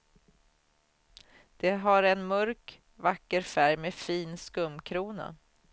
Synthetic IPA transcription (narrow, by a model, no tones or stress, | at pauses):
d̪̥ɛɦaɾɛnmɵɾk | vakːəɾfæɾjmɛfiːnskɵmːkʰɾuːna̰